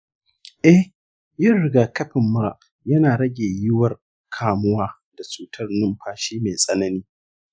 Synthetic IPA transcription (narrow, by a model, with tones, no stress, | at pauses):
ʔɛ˦h | jɪ˦rɽɪ˦ɡaː˨kɐ˦ɸɪ˨mːʊ˦ɾa̰˨ʔ | jɐ˦naː˨ɽɐ˦ɡʲeː˨jɪ˦wɐ˦r | kʰaː˨mʊ˦waː˦ | d̥a˨t͡ʃʼuː˦tʰɐ˦rnɪ˦mɸʰaː˦ʃiː˦me˨sʼɐ˦nɐ˦niː˦